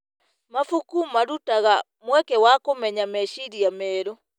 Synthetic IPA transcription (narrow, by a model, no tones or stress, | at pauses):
mafukumaɾutaɣa | mwɛkɛwakomɛɲamɛʃiɾiamɛːɾo